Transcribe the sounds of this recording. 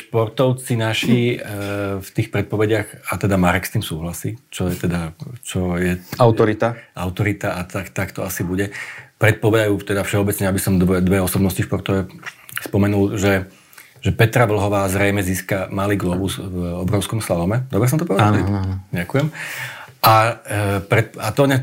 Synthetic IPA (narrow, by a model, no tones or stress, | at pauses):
ʃpɔɾt̪ɔʊt͡sinaʃi | ft̪iːxpɾɛt̪̚pɔʋɛɟɪaɣat̪ɛd̪amaɾɛkst̪iːmsuːɦlasiːt͡ʃɔjɛt̪ɛd̪at͡ʃɔjɛaʊt̪ɔɾit̪aʔa̰ʊt̪ɔɾit̪aʔat̪akt̪akt̪ɔasibuɟɛpɾɛt̪̚pɔʋɛd̪ajuːft̪ɛd̪afʃɛɔbɛt͡sɲɛabisɔmd̪ɛd̪ʋɛɔsɔbnɔsciʃpɔɾt̪ɔʋɛspɔmɛnulʒɛ | ʒ̥ɛpɛt̪ɾaʋl̩ɦɔʋaːzɾɛjmɛziːskamaliːɡlɔbuzvɔbɾɔʊskɔmslalɔmɛd̪ɔbɾɛs̬ɔmt̪ɔpɾɔzɟakujɛm | ʔa | pɾɛt̪̚at̪ɔɲɛ